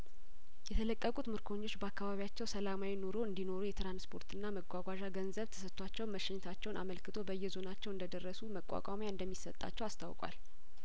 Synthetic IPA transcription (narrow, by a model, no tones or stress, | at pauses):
jɛt̪ʰələkʼːəkʼut̪mɨɾkʰo̞ɲːo̞t͡ʃːbəakːaβaβijat͡ʃːɛwsəlamawino̞ɾo̞ɨnd̪ino̞ɾujɛt̪ɾanspʰo̞ɾt̪ʰɨnːaməɡʷaɡʷaʒaɡənzəβt̪ʰə̥sət̪ʰʼːwat͡ʃːɛwməʃɛɲːt̪ʰat͡ʃːɛwnʔa̰məlkʰɨt̪ʰo̞bəjːɛzo̞nat͡ʃːɛwɨnd̪əd̪ərːəsuməkʼa̰kʼa̰mjaɨnd̪əmːisət̪ʼːa̰t͡ʃːɛwast̪ʰa̰wkʼwa̰l